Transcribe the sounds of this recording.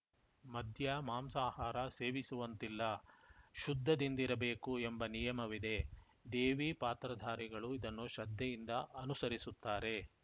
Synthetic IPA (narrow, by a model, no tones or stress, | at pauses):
mɐd̪ʱjɐmaːmsaːhaːɾɐse̞ːʋisuʋɐnt̪ilːɐʃud̪ʱːɐd̪ind̪ɐiɾɐbe̞ːkuembɐnijɐmɐʋid̪e̞ | d̪e̞ːʋipaːt̪ɾɐd̪ʱaːɾiɡɐɭuid̪ɐnːuʃɐd̪ʱjɐjind̪ɐʔɐnusɐɾisut̪ːaːɾe̞